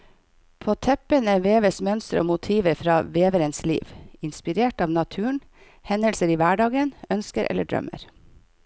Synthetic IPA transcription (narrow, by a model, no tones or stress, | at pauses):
pʰoːt̪ʰɛpənəʋeːʋəsmœnst̪əɾəʔo̰ːmʊt̪ʰiːʋəɾfɾɑːʋeːʋəɾənslḭːʋɪnspɪɾeːʈɑːʋnɑt̪ʰʉːəɳ | hɛnəlsəɾiːʋæːɖɑːɡənœnskəɾʔɛ̰lə̰ɖɹœ̰mə̰ɾ